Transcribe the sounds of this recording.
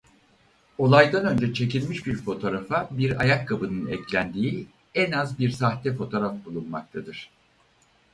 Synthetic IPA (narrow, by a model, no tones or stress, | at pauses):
o̞lˠajd̪anø̞nd͡ʒɛt͡ʃʰe̞cilʲmiʃbiɾfo̞t̪ʰo̞ɾafabiɾa̰jakʰːabɯnɯnɛclʲænd̪iːi | ɛnazbiɾsaxt̪ɛfo̞t̪ʰo̞ɾafbulˠunmak̚t̪ʰad̪ɯɾ̝̥